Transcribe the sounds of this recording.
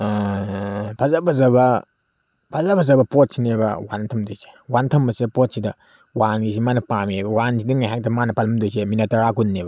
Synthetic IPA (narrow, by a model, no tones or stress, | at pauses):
pʰazabʰɐzɐbɐ | pʰazabʰɐzɐbɐpot̚sinebɐ̰wantʰɐmdojse̥wantʰɐmbɐsidɐpot̚sidɐ | wanɡisimanɐpamebɐwansidɐŋajɦak̚tɐmanɐpalɐmdojs̬eminatɐɾakunːebɐ